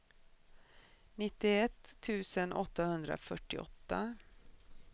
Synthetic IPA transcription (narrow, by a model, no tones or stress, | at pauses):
nɪt̪ːɪɛt̪ʰːʉ̟ːsənʔɔt̪ːahɵnd̪ɾa̰fœʈːɪɔ̰t̪ːa